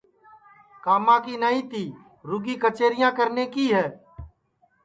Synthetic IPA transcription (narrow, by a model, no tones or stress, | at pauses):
kaːmãːkiːnəĩːt̪iː | ɾʊɡiːkət͡ʃeːɾɪjãːkəɾneːkiːɦɛː